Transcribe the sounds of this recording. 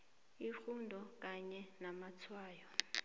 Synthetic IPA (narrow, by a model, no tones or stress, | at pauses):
ixundʱɔk̬ʼaɲɛnamat͡sʰwaːjɔ